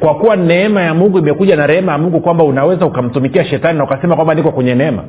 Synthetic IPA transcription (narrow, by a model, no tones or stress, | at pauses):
kwakuwanɛɛmajamuŋɡuimɛkuʄanaɾɛhɛmajamuŋɡukwambaunawɛzaukam̩tumikiaʃɛtaninaukasɛmakwambanikɔkwɛɲɛnɛma̰